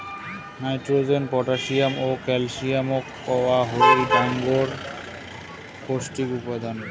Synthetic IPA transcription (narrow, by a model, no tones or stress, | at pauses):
najtɹozɛnpɔtasijamokɛlsijamɔkːɔwaɦolibaŋɡɔɹ | kostikupad̪an